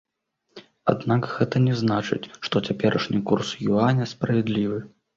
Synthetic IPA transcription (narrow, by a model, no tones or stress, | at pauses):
a̰d̪nakɣɛt̪ɐnʲɛznat͡ʂɨ̰t͡sʲʂt̪ɔt͡sʲapʲɛɾʔɐʂnʲikursjuanʲɐspɾɐvʲɛd̪lʲivɨ